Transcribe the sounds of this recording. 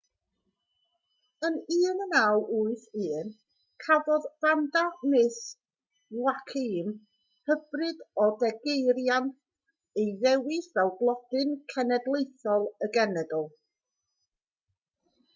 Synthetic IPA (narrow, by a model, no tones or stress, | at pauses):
əniːnənawʔʊɨθɨːn | kʰavɔðv̥andanɪs | wakʰim | həb̥rɨdɔdɛɡejɾjant | ejðɛwɪθvɛwˠblˠɔd̥ɨnkʰɛnɛdlˠejθɔlˠəɡɛnɛdɔlˠ